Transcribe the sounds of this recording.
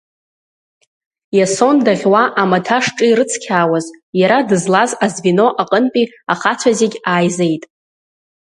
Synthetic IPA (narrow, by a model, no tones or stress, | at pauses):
jaso̞ndaʁʲwaʔamatʰaʂʈ͡ʂʼɨɾɨt͡sʰkʲʰaːwazjaɾadɨzlazazvino̞ʔaqʼənpʼi | aχat͡sʷʰazeɡʲaːjzejtʼ